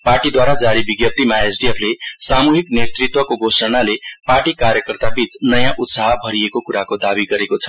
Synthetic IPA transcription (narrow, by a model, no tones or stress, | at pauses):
parʈid̪waɾad͡zaɾibiɡjʌp̚t̪imaesɖiepʰlesamuɦiknet̪rit̪wʌkoɡosʌnaleparʈikaɾjʌkʌrt̪abit͡snʌjãʔut̪saɦbʱʌɾiekokuɾakod̪abiɡʌɾekot͡sʰʌ̥